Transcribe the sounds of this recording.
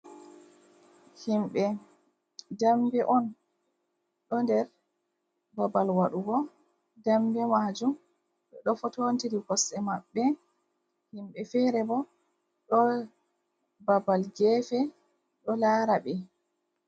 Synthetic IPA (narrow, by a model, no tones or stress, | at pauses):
himɓɛ | dambɛʔɔn | ɗɔndɛɾ | babalwaɗuɡɔ | dambɛmad͡ʒum | ɗɔɗɔfɔtontiɾikɔsɛmaɓːɛ | himɓɛfɛɾɛbɔ | ɗɔ | babalɡɛfɛ | ɗɔlaːɾaɓɛ